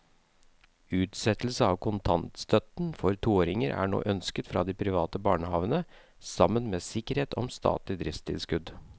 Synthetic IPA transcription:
ʉːt̪sɛt̪l̩səɑːʋkʰʊnt̪ʰɑnt̪st̪œt̪n̩fɔɾt̪ʰuːoːɾɪŋəɾʔæ̰ːɳo̰ːʔœnskət̪fɾɑ̰ːd̪ipʰɾɪʋɑːt̪əbɑːɳəhɑːʋənə | sɑmːənmeːsɪkəɾheːt̪ʰɔmst̪ɑ̰ːt̪lɪd̪ɾɪft̪ɪ̰lskʉd̪

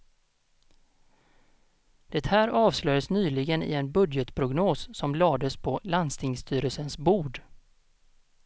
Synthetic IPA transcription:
d̪̥ɛt̪hæːɾɑːvslœjəsnyːlɪɡənɪ̰ɛnbɵd̪jət̪pʰɾʊɡnoːsːɔmlɑːd̪əspʰɔland̪st̪ʰɪŋst̪ʰyːɾəlsənsbuːɖ

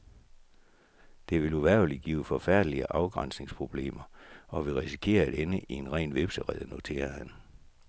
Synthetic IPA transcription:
d̥e̝ʋe̝luʋæɐ̰ʊliɡ̥ḭːʊfɒ̽fæɐ̰d̥əliəʔɑ̈ʊɡ̥ʁɑ̈n̰sne̝ŋspʰʁo̝b̥le̝̰ːmɐɒ̽ʋe̝ʁisi̥kʰe̝̰ːɐæd̥enəʔie̝nʁɛ̰ːnʋe̝b̥səʁɛðˠno̝t͡sʰe̝̰ːɐhæn

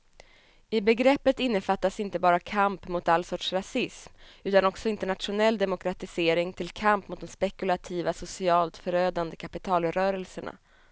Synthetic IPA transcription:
ɪbɛɡɾɛpːət̪ɪnːəfat̪ːasɪnt̪əbɑːɾakʰampmʊt̪alːsɔʈʂɾasɪsmʉ̟ːt̪anɔksɔɪnt̪əɳat̪ɧʊnɛlːd̪ɛmʊkɾat̪ɪseːɾɪŋt̪ʰɪlkʰampmʊt̪̚d̪ɔmspɛkɵlat̪ʰiːvasʊsɪɑːlt̪fœɾøːd̪and̪əkʰapɪt̪ʰɑːlɾœːɾɛlsəɳa̰

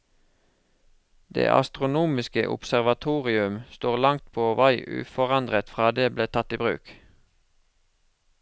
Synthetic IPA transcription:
d̪̥ḛːʔɑ̰st̪ʁʊnuːmɪskə̰ʔʊ̰psæʁʋɑt̪ʰuːʁɪʉmst̪oːʁlɑŋt̪̚pʰoːʋɑɪʔʉ̰ːfɔʁɑnd̪ʁət̪fʁɑːd̪eːbleːt̪ʰɑt̪iːbʁʉ̰ːk

